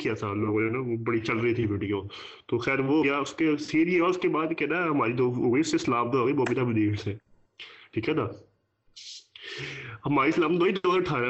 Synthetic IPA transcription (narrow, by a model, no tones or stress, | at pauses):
kijat̪ʰaloːɡõd͡ʒoːnabɐɽit͡ʃɐlɾəɦit̪ʰibʱeːʈʰikõ | t̪oːxɛːɾʋojaʊskesiːɾieɔːʊskebaːd̪kɛːnaɦɐmaːɾit̪ooːɡəiʊsːeɪslaːb̚t̪oɦoːɡəiboːbɪt̪ʰabʊd̪iːɾse | ʈʰiːkɦɛːt̪ʰaː | hɐmaːɾislaːmd̪oːɦid̪ɔːʈʰaːɾ